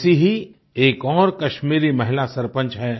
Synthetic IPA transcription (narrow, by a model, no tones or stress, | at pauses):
siɦi | eːkɔːɾkɐʃmiːɾimɐɦɪlasɐɾpə̃nt͡ʃɦɛː